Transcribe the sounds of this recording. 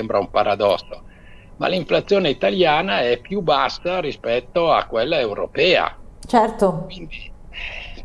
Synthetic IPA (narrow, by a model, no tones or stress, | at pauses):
ɛmbɾaumpaɾad̪ɔsːo | ma̰liɱflat̪sːjoːneit̪aljaːnaɛpːjubasːaɾispɛt̪ːoa̰kːwelːaewɾo̰pɛːa̰t͡ʃɛrt̪okwind̪iɛ